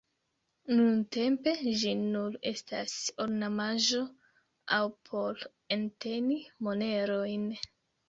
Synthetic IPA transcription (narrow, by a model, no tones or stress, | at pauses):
nunte̞mpe̞d͡ʒinule̞̰stasoɾnamaʒo̞ | awpʰo̞l | ente̞nimo̞ne̞ɾo̞jn